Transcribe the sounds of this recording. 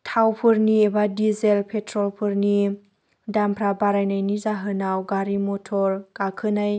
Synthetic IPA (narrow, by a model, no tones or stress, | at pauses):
tʰawpʰɯɾniebadizelpʰetʰɾɔlpʰɯɾni | dampʰɾabaɾajnajnizaɦɯnawɡaɾimɔtʰɔɾɡ̥akʰɯnaj